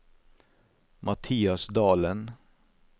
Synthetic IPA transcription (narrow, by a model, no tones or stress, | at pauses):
mʔɑt̪ʰiːɑsd̪ɑːlən